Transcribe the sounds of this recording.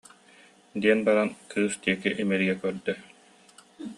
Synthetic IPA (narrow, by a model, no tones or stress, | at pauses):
d̪iɛnbaɾankʰɯːst̪iɛkiʔimɛɾiɡɛkœɾd̪œ